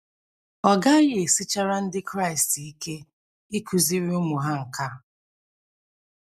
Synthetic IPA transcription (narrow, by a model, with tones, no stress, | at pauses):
ɔ˨ɡa˦jɪ˦e˨si˦t͡ʃa˦ɾa˦n̩˦dɪ˦kɾa˦ɪ˨sti˦ke˦ | i˦kʰu˨zi˦ɾi˦ʊ˦mʊ˨ɦa˦ŋ̩˨ka˦